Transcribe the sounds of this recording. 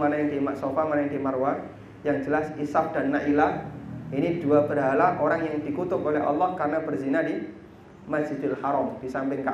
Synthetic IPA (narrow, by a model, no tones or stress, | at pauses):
manajaŋdimaʔsofamanajaŋdimarwa | jaŋd͡ʒəlasisaf̚d̥anːaʔilaʔinid̥uabərɦalaʔoɾaŋjaŋdikut̪ʊpolɛɦa̰lːɔhkarənabərzinadi | mad͡ʒ̥idɪlhaɾɔmd̥isampɪŋka